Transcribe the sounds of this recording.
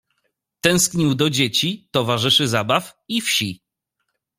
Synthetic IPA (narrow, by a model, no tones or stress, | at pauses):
t̪ɛ̃w̃skɲiwd̪ɔd͡ʑet͡ɕit̪ɔvaʐɘʂɘzabafifɕi